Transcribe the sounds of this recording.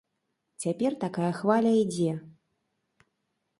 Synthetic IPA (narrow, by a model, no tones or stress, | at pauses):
t͡sʲapʲɛrt̪akajɐxvalʲɐid͡zʲɛ